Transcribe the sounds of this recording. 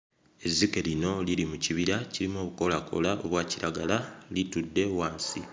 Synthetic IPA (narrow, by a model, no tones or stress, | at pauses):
e̞zike̞lino̞lilimuciβiɾaciɾimo̞ːβuko̞lakʰo̞̰lao̞βwaːciɾaɡalalitudːe̞waːnsi